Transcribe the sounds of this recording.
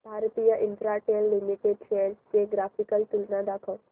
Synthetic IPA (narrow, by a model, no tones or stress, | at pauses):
bʱaːɾt̪ijəʔɪ̃nfɾaʈeːlːimiʈeɖfeːnspeɡɾaːpʰikəlʈ̪ʊlnad̪akʰəw